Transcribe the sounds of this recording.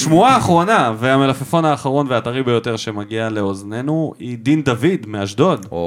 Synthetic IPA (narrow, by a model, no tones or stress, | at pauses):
ʃmuaːχʁo̞naveame̞lafefo̞naːχaʁo̞nveaːt̪aʁibe̞jo̞t̪e̞ʁʃe̞maɡiale̞ozne̞nuid̪ind̪avid̪meaʃd̪o̞d